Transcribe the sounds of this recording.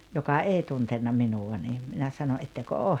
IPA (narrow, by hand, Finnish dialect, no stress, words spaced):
jokɑ eˑi tuntenːɑ minuwɑ ni minæ sɑno ʔetːekø oːh